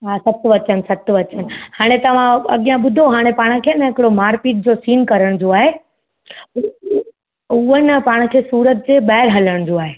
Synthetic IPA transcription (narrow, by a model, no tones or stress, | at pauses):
ɦasɐt̪ʰʋɐt͡ɕənsɐt̪ʰʋɐt͡ɕənɪ̆haːɽ̃et̪ɐʋ̤ãɐ̰ɠijãɓʊd̪ʱoɦaːɽ̃epaːɽ̃əkʰeːnəɦɪkɪɽomaːɾpiːʈ̚d͡ʑosiːnkɐɾəɽ̃d͡ʑoaːɦe | ʊɦənɪ̆paːɽ̃kʰeːsuːɾət̪̚d͡ʑeːɓaːɦɪɾɦɐləɽ̃d͡ʑoaːɦeː